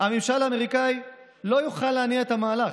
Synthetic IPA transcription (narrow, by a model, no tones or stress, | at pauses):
hamimʃalaːmeʁikai | lo̞juχalːeaniaet̪hamaːlaχ